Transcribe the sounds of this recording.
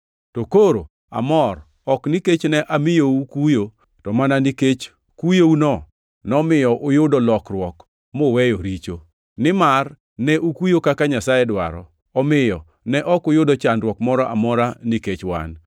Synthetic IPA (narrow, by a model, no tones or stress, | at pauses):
tokoɾo̰ | a̰mɔr | ɔkniket͡ʃnɛʔamɪjoukujo | tɔmananiket͡ʃ | kujounɔ | nɔmɪjɔʔʊjʊdɔlɔkrwɔk | mowɛjoɾit͡ʃo | nɪmar | nɛʔukujokakaɲasajɛdwa̰ɾɔ̰ | ɔmɪjɔ | nɛʔɔkʊjʊdɔt͡ʃandrwɔkmɔɾɔʔa̰mɔɾaniket͡ʃwa̰n